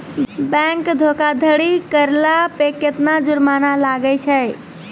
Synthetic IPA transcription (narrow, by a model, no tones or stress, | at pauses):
bɛ̃ŋkd̪ʱokad̪ʱəɽikəɾlapeket̪nad͡ʒuɾmanalaɡət͡ʃʰəj